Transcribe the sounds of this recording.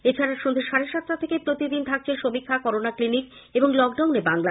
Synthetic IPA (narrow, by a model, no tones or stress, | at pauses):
et͡ɕʰaɾaʃond̪ʱeʃaɾeʃat̪ːɾat̪ʰekepɾot̪id̪int̪ʰak̚t͡ɕʰeʃomikʰːakɔɾonaklinik | eboŋlɔk̚ɖawnebaŋla